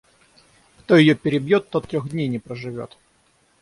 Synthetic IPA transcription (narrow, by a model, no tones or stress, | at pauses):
kt̪o̞jɪjopʲɪɾʲɪbjot̪ːot̪ːɾʲoɣdʲnʲejnʲɪpɾəʐɨvʲo̞̰t̪